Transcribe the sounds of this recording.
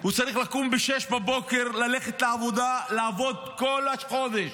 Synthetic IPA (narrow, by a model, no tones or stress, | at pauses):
hut͡saʁiχlakumbeʃeʃbabo̞ke̞ʁlaleχet̪laːvo̞d̪alaːvo̞d̪̚kolaʃχo̞d̪eʃ